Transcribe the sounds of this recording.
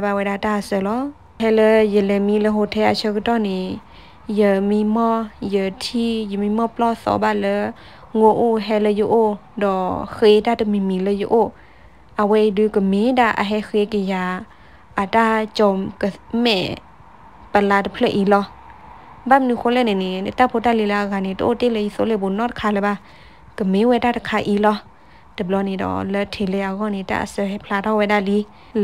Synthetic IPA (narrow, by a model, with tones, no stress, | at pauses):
ba˧wa˧˨da˧˨taː˧˨sə˧˨lɔ˧˦ | hɛ˧lə˧jə˧˨lə˧mi˧˦lə˧˦ɦo˧t̪ʰɛ˧ʔa˧˨t͡ʃʰə˧kə˧tɔ˧˨ni˨ | jə˧mi˧˦mɔ˧jə˧˨tʰi˧jə˨mi˧˨mɔ˧˨plɔ˧˨sɔ̰˨˦baː˧lə˧˦ | ŋo˧ʔo˧˨ɦɛ˧lə˧jo˧ʔo˧˨ | dɔ˨xdaː˧˨tə˧˨mi˧˨mi˨lə˧˦jo̰˧˦ʔo˧˨ | ʔa˧we˧˦˧dɯ˧˦kə˧˨me˨˦da˧˨ʔa̰˧ɦɛ˧˦xe˧˦kə˧ja˧˨ | ʔa˨ta˧˨t͡ɕɔ˧mka˨mɛ̰˧˨ | pa˧˨laː˧˨dɔ˨pʰlə˧˨ʔi˧˨lɔ˧ | ba˧˨mnu˧xʰo˧˦lɛ˧˨ne˨ne˨dta˧˨pʰo˧˦ta˧˨li˧la˧a˧ɣa˧˨ne˨tɔ˧ʔo˧˦te˦˧˨lə˧˨ji˧so˧˦le˧˨bo˨nɔ˧˨tkʰaː˧˨lə˧˦ba˧˨ | ka˨me˨˦wɛ˧˦da˧˨ta˧˨kʰa˧ʔi˧˦lɔ˧ | də˨blɔ˧˦ni˨dɔ̰˨lə˧tʰe˨le˧˦ʔa˧ɣɔ˧˨ni˨ta̰˧ʔa̰˧˨sə˧hɛ˧pʰlaː˧˨dɔ˧˨wɛ˧da˧˨li˧˦